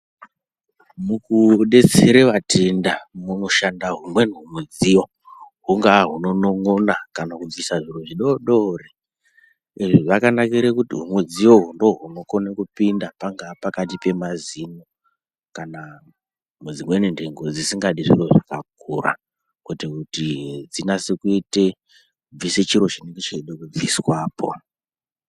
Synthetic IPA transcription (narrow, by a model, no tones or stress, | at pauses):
mukuɗe̞t͡seɾeʋatendamumuʃandaɦumwe̞nɦumwed͡zijo̞ | ɦuŋɡaɦuno̞noŋonakanakuvisaʐiruʐiɗoɗori | eʐiʐakanakiɾekutiɦumwed͡zijo̞ɦundo̞ɦuno̞ko̞nekupindapaŋɡapakatipe̞mazino | kana | mud͡zimwenindeŋɡo̞d͡zisiŋɡaɗiʐiroʐakak̚ura̰ | kwe̞tekutid͡zinasekuite | ub͡viset͡ʃiɾo̞t͡ʃineŋɡet͡ʃeiɗokub͡viswaːpʰo̞̰